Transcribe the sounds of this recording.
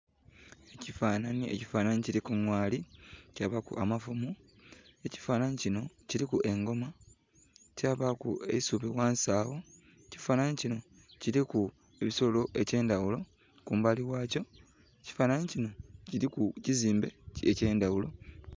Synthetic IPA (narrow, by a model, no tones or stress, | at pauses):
e̞cifaːnanie̞̰cifaːnaniciɾikuŋwaːlicaβakṵʔamafumu | e̞ci̥faːnanicino̞ciɾikuʔe̞ŋɡo̞ma | caːβakṵḛisuβiwaːnsaːwo | ci̥faːnanicino̞ | ciɾiku | eβiso̞lo̞ʔe̞ce̞ːndawulo̞ | kuːmbaliwaːco̞ | eci̥faːnanicino̞iikuciziːmbe̞ece̞ːndawulo̞